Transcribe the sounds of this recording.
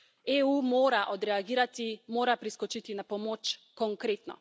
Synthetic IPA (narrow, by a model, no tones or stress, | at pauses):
ɛumoːɾaʔod̪ɾɛaɡiɾat̪imoɾapɾiskot͡ʃit̪inapomot͡ʃkoŋkɾɛt̪nɔ̰